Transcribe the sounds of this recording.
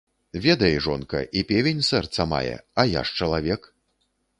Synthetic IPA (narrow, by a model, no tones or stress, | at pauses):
vʲɛd̪ɐjɛʐɔnkɐ̰ʔipʲevʲenʲsɛrt̪sɐma̰jɛ̰ɐja̰ʂt͡ʂɐlˠavʲɛk